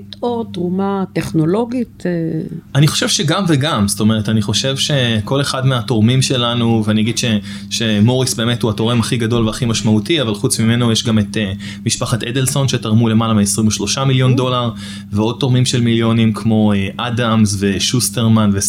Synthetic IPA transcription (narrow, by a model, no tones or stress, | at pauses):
totʁumateχno̞lo̞ɡit̪eaniχo̞̥ʃe̞vʃe̞ɡamve̞ɡamst̪o̞me̞ʁetaniχo̞ʃe̞vʃe̞ko̞le̞χadmeato̞ʁmimʃe̞lanuveaniaɡid̥̪ʃe̞ | ʃe̞mo̞ʁisbe̞ːme̞thuato̞ʁe̞maχiɡado̞lveaχimaʃmautiavalχut͡smime̞nojeʃɡame̞t̪e | miʃpaχated̪elso̞nʃe̞taʁmule̞malameesʁimoʃlo̞ʃamiljo̞ndo̞laʁ | veo̞d̚t̪o̞ʁmimʃe̞lmiljo̞nimkʰmo̞eʔadamzve̞ʃuste̞ʁmanve